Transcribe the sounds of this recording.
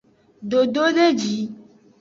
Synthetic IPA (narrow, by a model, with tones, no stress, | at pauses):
ɖo˨ɖo˦ɖe˦d͡ʒi˨˦